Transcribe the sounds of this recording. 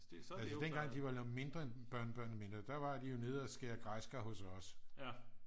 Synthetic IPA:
ælsəd̥enɡ̥ɑ̈ŋ̰d̥iʋɑ̈lme̝nd̥ʁɐenb̥ɶɐ̰nəb̥ɶɐ̰nme̝nd̥ʁɐd̥ɑʋɑ̈d̥ijo̝ne̝ð̞ˠæsɡ̥eɐɡ̥ʁɑsɡ̥ɐɦɔ̽sɒ̽s

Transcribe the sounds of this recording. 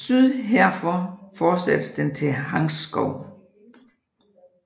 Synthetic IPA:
syðˠɦeɐ̰fɒfɒ̥ːsæd̥əsd̥ent͡sʰe̝ɦɑ̈ŋsɡ̥ɒʊ̰

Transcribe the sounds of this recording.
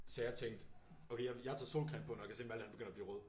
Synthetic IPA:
sɛjɑt͡sʰeŋ̰d̥ | oʊke̝jɑjɑt͡sʰɑsolkʰʁɛ̰npʰɒ̽njkʰæse̝̰ːmæld̥hænb̥eɡønɐb̥liːʁɔð̞̰ˠ

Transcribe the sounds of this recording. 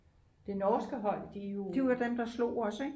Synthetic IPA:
d̥e̝nɒːsɡ̥əɦɒ̽l̰d̥ijod̥iæd̥emd̥ɑ̈slo̝̰ːɒ̽səe

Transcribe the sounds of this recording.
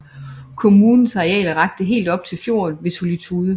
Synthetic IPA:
kʰo̝muːnn̩sɑ̈ʁiɛ̰ːləʁɑ̈ɡ̥̚d̥əɦe̝̰ːld̥ɒ̽b̥̚t͡sʰe̝lfjo̝̰ːnʋe̝so̝lit͡sʰuːð̞ˠə

